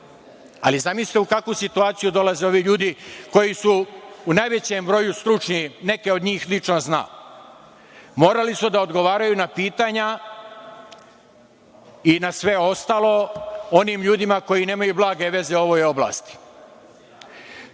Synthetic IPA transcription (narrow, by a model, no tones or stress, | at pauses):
a̰lizamislit̪eukakʋusit̪uaːt̪sijud̪o̞laze̞o̞ʋiʎuːd̪iko̞jisuːnaːjʋe̞t͡ɕe̞mbɾo̞just̪ɾut͡ʃɲine̞ke̞o̞d̪ɲiːxlit͡ʃnozna̰ː | mo̞ːɾalisud̪ao̞d̪ɡo̞ʋaːɾajunapiːt̪aɲa | inasʋe̞o̞st̪aːlˠo̞o̞niːmʎuːd̪imako̞jine̞ːmajublˠaːɡe̞ʋe̞ze̞o̞ʋo̞jo̞bla̰ːst̪i̥